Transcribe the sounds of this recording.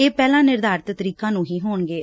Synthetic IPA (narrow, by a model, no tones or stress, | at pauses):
eːpɛːlãːnɪɾd̪aːɾt̪t̪əɾiːkãːnũːɦiːɦoːɳɡeː